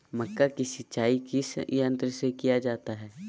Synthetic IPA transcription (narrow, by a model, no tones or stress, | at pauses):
mɐkːakisɪt͡ʃaːikisə̃nt̪ɾsekijad͡ʒaːt̪aɦɛː